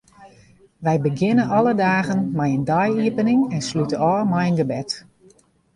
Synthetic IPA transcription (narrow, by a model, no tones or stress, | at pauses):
ʋɛjbəɡɪnənʔɔlədaːɣənmɛjəndajiəpənɪŋɛnslytəɔːmɛjənɡəbɛt